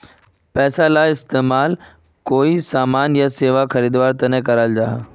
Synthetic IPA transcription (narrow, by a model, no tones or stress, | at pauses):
pɛːsalaːɪst̪eːmaːl | koːisaːmaːnjaseːʋaxɐɾiːd̪ʋaːɾt̪ɐnẽkɐɾald͡ʑaːɦ